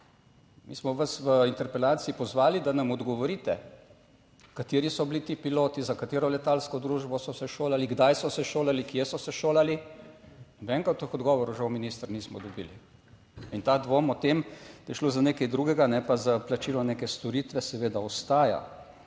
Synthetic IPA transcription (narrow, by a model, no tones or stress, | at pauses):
mḭsmɔʋasʋəint̪ɛɾpɛlaːt̪siːpɔzʋaːlid̪anɐmɔd̪ɡɔʋɔɾiːt̪ɛ | kat̪eːɾisɔblit̪iːpiloːt̪izakat̪eːɾɔlɛt̪aːlskɔd̪ɾuːʒbɔsɔsɛʃoːlaliɡd̪ajsɔsɛʃoːlalikjɛsɔsɛʃoːlali | ʋɛŋkat̪ːəxɔd̪ɡɔʋɔɾuʒawminist̪ɾniːsmɔd̪ɔbiːli | int̪aːd̪ʋomɔt̪emd̪ajɛʃloːzaneːkɐjd̪ɾuɡɛɡanɛpazaplat͡ʃiːlɔneːkɛst̪ɔɾiːt̪ʋɛsɛʋeːd̪aɔst̪aːja̰